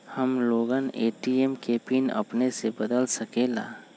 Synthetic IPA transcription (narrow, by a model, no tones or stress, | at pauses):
həmloːɡəneːʈiemkeːpinɐ̰pnesebəd̪əlsəkeːla̰ː